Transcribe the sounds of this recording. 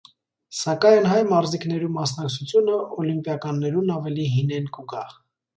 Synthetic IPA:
sɑkɑjnɦɑjnmɑɾziknɛɾumɑsnɑk̚t͡sʰut͡sʰjunəʔɔlimpjɑkɑnːɛɾunɑvɛliɦinɛnkuɡɑ

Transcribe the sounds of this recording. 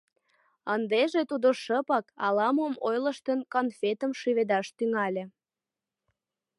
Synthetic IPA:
ənd̪eʒet̪ud̪oʃəpɑkɑ̰lɑmomojlə̆ʃt̪ənkonfet̪əmʃyβed̪ɑʃt̪yŋɑlʲĕ

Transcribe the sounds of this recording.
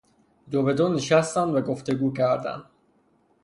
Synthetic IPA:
d̪obed̪ɔːneʃæst̪ænd̪væɡoft̪e̞ɡuːcæɾd̪æ̰nd̪

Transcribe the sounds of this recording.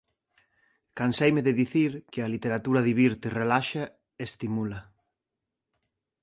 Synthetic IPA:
kansejmeðeðiθiɾkɪalit̪eɾat̪uɾɐðiβiɾt̪erelaʃa | est̪imulɐ

